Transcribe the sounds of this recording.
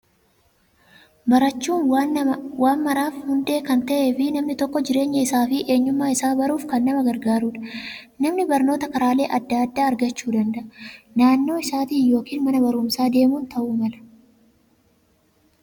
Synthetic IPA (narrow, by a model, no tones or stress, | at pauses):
mɐɾɐt͡ʃːuːnwawaːnmɐɾaːfhʊnd̪e̞ːkɐnt̪ɐʔeːfɪnɐmnɪt̪ɔkːɔd͡ʒɪɾe̞ːɲːɐɪsaːfɪʔe̞ːɲːʊmːaːɪsaːbɐɾuːfkɐnːɐmɐɡɐɾɡaːɾuːᶑɐ̥ | nɐmnɪbɐɾno̞ːt̪ɐkɐɾaːle̞ːʔɐd̪ːaːd̪ːaːɾɡɐt͡ʃːuːd̪ɐnd̪ɐʔɐnaːnːo̞ːɪsaːt̪iːjo̞ːkiːnmɐnɐbɐɾʊmsaːd̪e̞ːmuːnt̪ʰɐʔuːmɐlɐ̥